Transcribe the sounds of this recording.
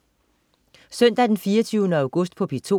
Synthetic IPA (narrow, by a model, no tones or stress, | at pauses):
sœn̰d̥æd̥enfiːɐt͡sʰyʊnəæ̈ʊɡ̥ɔ̽sd̥̚pʰɒ̽pʰit͡sʰo̝̰